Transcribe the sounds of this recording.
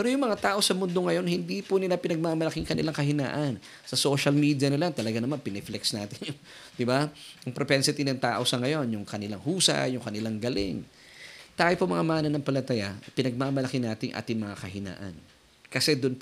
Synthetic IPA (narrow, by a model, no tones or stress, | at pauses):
pɛːɾo̞jʊŋmɐŋat̪aːʔo̞sɐmʊnd̪o̞ŋɐjo̞nhɪnd̪ipʊnɪlapɪnɐɡ̚mamɐlɐkɪŋkɐnɪlaŋkɐhɪna̰ːʔɐn | sɐso̞ʃɐlmiːd̪jɐnɪlat̪ɐlɐɡanɐmanpɪnɛflɛksnaːt̪ɪnjʊ | d̪̥ɪbaʔɐŋpɾopɛnsɪt̪inɐŋt̪a̰ːʔo̞sɐŋɐjo̞njʊŋkɐnɪlaŋhuːsɐ̰jʊŋkɐnɪlaŋɡɐlɪ̰ŋ | t̪aːjopomɐŋamaːnɐnɐŋpɐlɐt̪ɐjapɪnɐɡ̚mamɐlɐkɪnaːt̪ɪŋʔa̰ːt̪ɪŋmɐŋakɐɦɪna̰ːʔɐ̰n | kɐsɛd̪ʊnp